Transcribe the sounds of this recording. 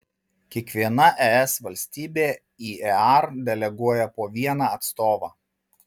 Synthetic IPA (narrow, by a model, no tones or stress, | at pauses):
kʲiɛkʋʲiɛnɐʔɛɛsʋɐlʲsʲt̪ʲiːbʲeː | iːʔɛɑˑɾd̪ʲɛlʲɛɡuɔjɛpoːʋʲiɛnɑːɐt̪st̪oːʋɑː